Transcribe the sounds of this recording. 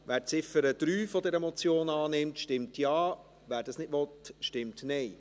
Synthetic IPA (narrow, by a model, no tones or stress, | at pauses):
ʋæːɾt͡sɪfəɾəd̪̥ɾyːfɔdɛɾɛmɔt͡sjoːnɑːnɪmtʃtɪmtjɑː | ʋæːɾd̥ɑsnɪdʋɔtʃtɪmtnɛɪ